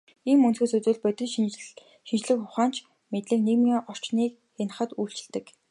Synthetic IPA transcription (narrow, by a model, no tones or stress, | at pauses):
iːmːɵnt͡suːsɵt͡sɘ̆ːɮpœt̪ʲɪ̆ɮ | ʃint͡ɕɮɘ̆kʊχaːn̥t͡ɕʰ | met̪ɮɘ̆kneɣmiːɔr̥t͡ɕniːk | xen̆χə̆t̪uːɬt͡ɕɪ̆ɮt̪ɘ̆k